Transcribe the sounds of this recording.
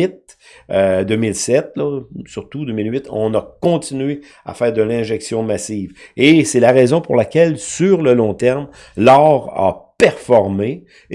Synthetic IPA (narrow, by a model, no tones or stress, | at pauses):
ɪt̪̚ød̪øːmɪlsɛt̪̚lʌsyʁt̪ud̪øːmilɥɪt̪ɔ̰̃nakɔ̃t̪inɥe | a̰fɛːʁd̪əlɛ̃ʒɛksjɔ̃masiːvesɛlaʁɛzɔ̃pṵʁlakʲɛlsyʁləlɔ̃t̪ɛʁm | lɑːʁa̰pɛʁfɔʁme